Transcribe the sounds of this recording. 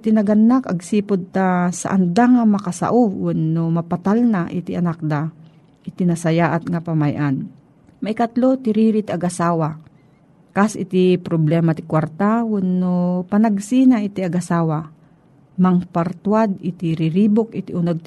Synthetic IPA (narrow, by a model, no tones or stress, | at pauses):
t̪ɪnɐɡanːakaɡsiːpʊd̪̚t̪asa̰ʔand̪aŋamɐkasa̰ʔʊwʊnːomapat̪alnaʔɪt̪ɪʔanak̚d̪a | ʔɪt̪ɪnasajaːʔat̪̚ŋapamajʔan | majkat̪lot̪ɪɾiːɾɪt̪iaɡʔasaːwa | kasʔɪ̰t̪ɪpɾoblɛmat̪ɪ̥kwaɾt̪awʊnːopanaɡsinaʔɪt̪ɪaɡasaːwa | maŋpaɾt̪wad̪ɪt̪ɪɾɪɾiːbʊkɪt̪ɪʔʊnoɡ̚t̪